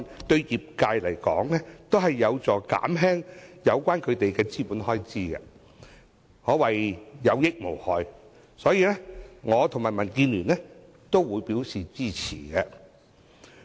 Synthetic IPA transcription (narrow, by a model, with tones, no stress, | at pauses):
t̪ɵ˧ɥjiː˨p̚kaː˧jlɐ˨˩jkɔː˨˥ŋlɛː˥t̪o˥wɦɐ˨jːɐ˨˧wt͡sɔː˨ka̰ː˨˥mɦɛː˥ŋjɐ˨˧wkʷaː˥nkʰɵ˨˧ɥt̪e˨jkɛː˧t͡siː˥puː˨˥nhɔː˥jt͡siː˥ɡɛ̰˧ | hɔː˨˥wɐ˨jjɐ˨˧wjɪ˥k̚mo˨˩whɔː˨j | sɔː˨˥jiː˧lɛː˥ŋɔː˨˧t̪ʰŋmaː˨˩jmɐ˨˩nkiː˧nlyː˨˩nlɛ˥ | t̪o˥wwuː˨˧jpiː˨˥wsiː˨t͡siː˥t͡sʰḭː˨˩ɡɛ˧